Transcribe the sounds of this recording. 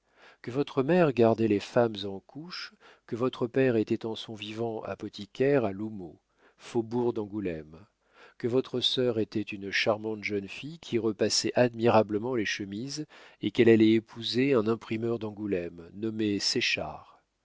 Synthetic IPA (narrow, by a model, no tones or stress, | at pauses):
kəvɔt̪χəmɛʁɡaʁd̪ɛlefamzɑ̃kʰuʃ | kəvɔt̪χəpɛʁet̪ɛt̪ɑ̃sɔ̃vivɑ̃a̰pɔt̪ikʲɛʁalumo | fobuʁd̪ɑ̃ɡulɛm | kəvɔt̪χəsœʁet̪ɛt̪ynʃaʁmɑ̃t̪ʒənfijkʲʰiʁəpasɛʔad̪miʁabləmɑ̃leʃəmizekɛlalɛepʰuzeɛ̃nɛ̃pχimœʁd̪ɑ̃ɡulɛmnɔmesɛʃa̰ʁ